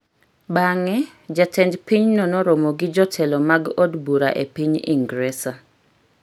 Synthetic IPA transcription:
baŋɛ | d͡ʒatʰɛndpiɲnɔnɔɾomoɡɪd͡ʒɔtʰɛlɔmaɡodbuɾa̰ʔḛpiɲḭŋɡɾɛsa

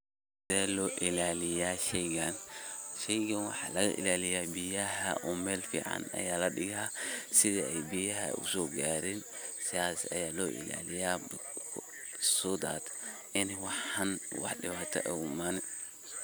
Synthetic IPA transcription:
s | ɪdɛːlɔːʔɪlaːlɪjaːʃɛjɡanʃɛjɡɐnwɑ̰ħɑ̰ːlɐɣɐ̰ʔɪ̰laːlɪjaːbijɐɦɐ̰ʔɔːmɛːlfḭːʕɑ̰nɐ̰jaːlɐɗɪɣaːsɪðɛɛjbijɐɦɐ̰ʊ̰sɔːɡaːɾɪn | sɪjaːsɐ̰jaːlɔːʔɪ̰la̰ːlɪjaːbʰ | sɔːd̪a̰ːd̪ | ʔɪnwɑħhɐnwɑ̰ħɗɪwaːt̪ʰɐ̰ʔɛ̰ʊmaːn

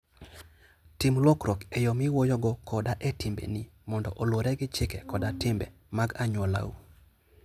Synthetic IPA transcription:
tɪmlwɔkɾɔkɛjɔmɪwojɔɡɔkʰɔdaʔɛtɪmbḛnimɔndɔ̰ʔolwoɾɛɡɪt͡ʃɪkɛkɔdatɪmbɛ̰ | maɡaɲwɔla̰ṵ

